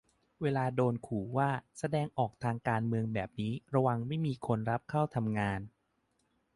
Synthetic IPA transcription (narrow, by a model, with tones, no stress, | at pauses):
weː˧laː˧doː˧nkʰuː˨˩˦waː˥˩sa˧dɛː˧ŋʔɔː˨˩k̚t̪ʰaː˧ŋkaː˧nmɯ˧əŋbɛː˨˩p̚niː˦˥ɾa˧wa˧ŋma˥˩jmiː˧kʰo˧nɾa˦˥p̚kʰa˥˩wt̪ʰa˧mŋaː˧n